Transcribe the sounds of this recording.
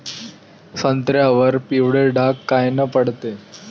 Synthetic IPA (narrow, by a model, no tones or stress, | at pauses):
sənt̪ɾjaʋəɾpiwɽeɖʱakːajnəpəɽt̪e